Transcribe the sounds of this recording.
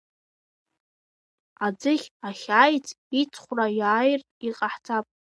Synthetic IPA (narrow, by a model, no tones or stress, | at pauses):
ad͡zɨχʲaχʲaːjt͡sʰʼ | it͡sʰʼχʷrajaːjrʼ | iqʼaħt͡sʰʼapʼ